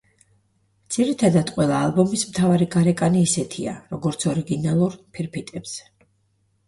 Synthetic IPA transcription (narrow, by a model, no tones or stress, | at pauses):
mt̪sʰiɾit̪ʰad̪ad̪qʼwɛlˠaːlˠbɔmismt̪ʰavaɾikʼaɾɛkʼaniːsɛt̪ʰia̰ɾɔɡɔɾt̪sʰɔɾiɡinalˠuɾpʰiɾpʰit̪ʼɛps